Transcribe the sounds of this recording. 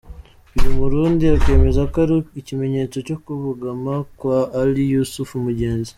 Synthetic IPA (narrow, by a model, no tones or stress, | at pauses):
βiɾimuɾuːndiake̞ːme̞zakaɾiicime̞ɲe̞t͡so̞co̞kuβuɡamakwaːlijusufumuɟe̞ːnzi